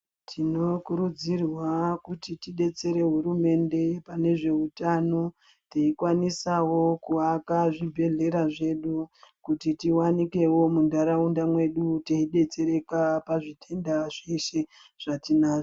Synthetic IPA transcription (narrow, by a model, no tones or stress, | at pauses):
tʰino̞kuɾud͡zirwakutitiɗe̞t͡se̞ɾe̞ɦuɾume̞nde̞pane̞ʐe̞utano̞ | teikwanisawo̞kuakaʐibʱe̞ɮe̞ɾaʐe̞ɗukutitiwanike̞wo̞mundaɾaundamwe̞ɗuteiɗe̞t͡se̞ɾe̞kapaʐitʰe̞ndaʐeʃe̞ | ʐ̥atinaʐo